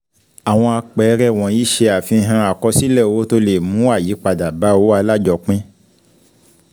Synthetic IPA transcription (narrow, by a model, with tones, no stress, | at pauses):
a˨w̃ɔ̃˧a˧k͡pɛ˨˦ɾɛ˦˨w̃ɔ̃˨ji˨˦ʃe˧a˨fĩ˧ɦã˧a˨kɔ˧si˦lɛ˦˨wo˨˦to˧le˨mũ˨˦a˦˨ji˨˦k͡pa˨da˨ba˨˦wo˦a˧la˦d͡ʒɔ˧k͡pĩ˦